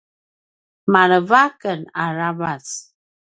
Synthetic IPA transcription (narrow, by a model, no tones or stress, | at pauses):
maɾəvakəna̰ɾavas